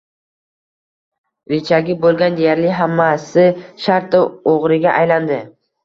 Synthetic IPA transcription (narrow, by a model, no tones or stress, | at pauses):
vɪt͡ʃʰaɡʲɪbolˠɡʲand̪ejaɾlɪɦamːasɪʃaɾt̪ɪoʁɾɪɡʲaʔajland̪ɪ